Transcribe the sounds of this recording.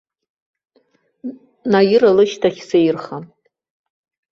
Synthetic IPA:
najɪɾalɨʃtʰaχʲsejrχa

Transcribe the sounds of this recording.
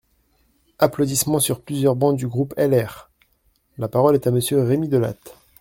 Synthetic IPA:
aplod̪ismɑ̃syʁplyzjœʁbɑ̃d̪d̪yɡʁupɛlɛʁ | lapaʁɔlɛt̪aməsjøʁemid̪əla̰t̪

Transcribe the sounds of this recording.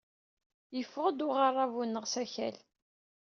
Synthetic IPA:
jəfːʁəd̪ʊʁarˤːavunːəʁsæçæ̰l

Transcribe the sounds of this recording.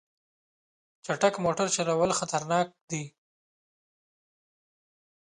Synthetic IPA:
t͡ʃaʈakmoʈaɾt͡ʃaɾawəlxat̪aɾnɑk̚d̪i

